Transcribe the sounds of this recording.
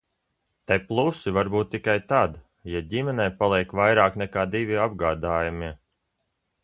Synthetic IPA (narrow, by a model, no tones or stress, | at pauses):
t̪ajplˠusivaɾbuːt̪ːikajt̪aːd̪ | jadʲimɛnɛjpalˠiɛkvajɾaːknɛkaːd̪ivʲiab̚ɡaːd̪aːjamiɛ